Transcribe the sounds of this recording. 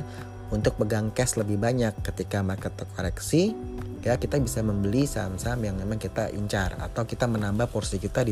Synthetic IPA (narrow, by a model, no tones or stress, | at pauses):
unt̪ʊk̚bəɡaŋkɛsləbɪhbaɲakːət̪ikamakət̪ːəkoɾɛksi | akit̪abisaməmbəlisamsamjaŋmemaŋkit̪aʔḭɲt͡ʃara̰t̪awkit̪amənambahpɔrsikit̪adi